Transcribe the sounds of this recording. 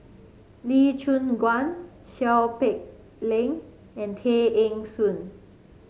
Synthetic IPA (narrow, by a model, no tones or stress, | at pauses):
lit͡ʃʰũnɡwãn | ʃɛlpek̚ | lẽŋ | ɛ̃ntʰeʔẽŋsũn